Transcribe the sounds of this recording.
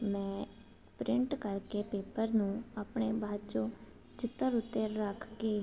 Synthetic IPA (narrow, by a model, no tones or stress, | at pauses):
mɛ̃ː | pɾɪɳʈkəɾkeːpeːpəɾnũːaːpɳeːbʱaːd̪t͡ʃõː | t͡ʃɪt̪ːəɾʊt̪ːeɾəkʰkeː